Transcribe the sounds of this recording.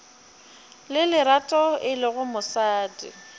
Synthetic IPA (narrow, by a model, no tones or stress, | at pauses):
lɪlɪɾatʼɔɪlɪɣʊmʊsaːdɪ̰